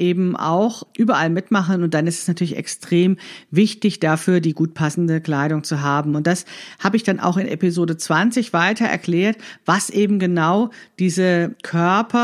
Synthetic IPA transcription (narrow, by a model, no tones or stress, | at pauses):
ʔeːbm̩ʔa̰ʊxʔyːbɐʔalmɪtmaχən̩ʊnt̚d̥anɪstɛsnatʰyːɐlɪçɛ̰kstʁ̥eːmvɪçtɪçd̥afyːɐdiːɡuːt̚pʰasn̩dəkl̥aɪɾʊŋt͡suɦaːbm̩ʊnt̚d̥ashaːbəɪçd̥anʔa̰ʊxɪnʔɛ̰pizoːdət͡sv̥ant͡sɪçv̥aɪtɐɛ̰ɐkl̥ɛːɐtv̥asʔeːbm̩ɡənaʊd̥iːzəkʰœɐpʰɐ